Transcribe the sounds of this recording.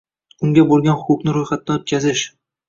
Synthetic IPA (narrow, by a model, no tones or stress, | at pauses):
ʊŋɡʲabolˠɡʲanχʊʊpnɪɾojχat̪̚naot̪̚kʰʲazɪʃ